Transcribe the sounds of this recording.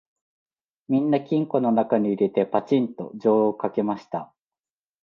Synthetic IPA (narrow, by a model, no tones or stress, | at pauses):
mʲĩnːakʲĩŋko̞no̞nakaɲ̟iːɾe̞t̪e̞pat͡ɕĩnt̪o̞̰d͡ʑo̞ːokake̞maɕi̥t̪a